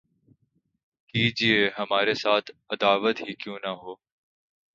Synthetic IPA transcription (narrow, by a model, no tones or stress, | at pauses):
kiːd͡ʒieːɦəmaːɾesaːt̪ʰəd̪aːʋət̪ɦiːkjũːnəɦoː